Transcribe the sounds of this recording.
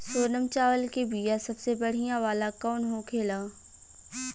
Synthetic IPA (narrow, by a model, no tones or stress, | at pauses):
soːnəmt͡ʃaːʋəlkebiːjasɐbsebɐɽ̤ijãʋaːlakɔːnɦõːkʰeːlaː